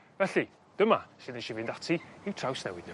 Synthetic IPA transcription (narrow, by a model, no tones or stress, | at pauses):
vɛɬi | d̥əmasɨðeʃivɨndatʰiiwtʰrawsnɛ̰wɨdn